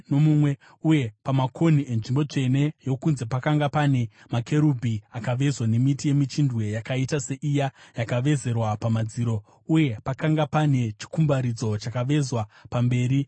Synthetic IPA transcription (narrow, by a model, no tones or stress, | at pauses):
no̞mumwe̞ | uje̞pamakʰo̞nie̞nʐimbo̞t͡ʂe̞ne̞jo̞kunze̞pakaŋɡapane̞ | make̞ɾubʱiakaʋe̞zwane̞mitije̞mit͡ʃindwe̞jakaitase̞ʔijajakaʋe̞ze̞rwapamad͡ziːɾo̞ | uje̞pakaŋɡapane̞t͡ʃi̥kumbaɾid͡zo̞t͡ʃakaʋe̞zwapambe̞ːɾi